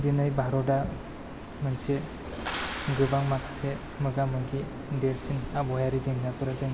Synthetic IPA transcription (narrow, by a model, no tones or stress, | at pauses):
dinɯjbʱaɾɔda | mɯnse | ɡɯbaŋmakʰse | mɯɡamɯŋɡi | deɾsinabɔjaɾizeŋnapɯɾɯdɯŋ